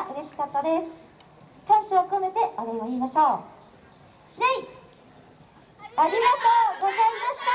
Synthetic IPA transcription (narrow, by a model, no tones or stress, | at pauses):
ʔɯ̟ɾe̞ɕi̥kat̪ːad̪e̞sɨ̥ | kãɰ̃ɕiβakonet̪e̞βad̪aiβaiːmaɕo̞ː | ɾai | aɾʲiɡat̪o̞ːɡo̞zaimaɕi̥t̪a